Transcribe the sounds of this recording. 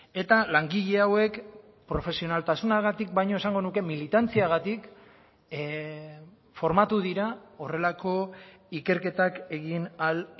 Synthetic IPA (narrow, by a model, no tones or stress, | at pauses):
e̞t̪alaŋɡiʎe̞awe̞k | pɾo̞fe̞sio̞nalt̪asunaɣat̪ik̚bajɲo̞e̞saŋɡo̞nuke̞milit̪ant͡siaɣ̞at̪ik | fo̞ɾmat̪uðiɾao̞re̞lako̞ | ike̞ɾke̞t̪ake̞ɣinal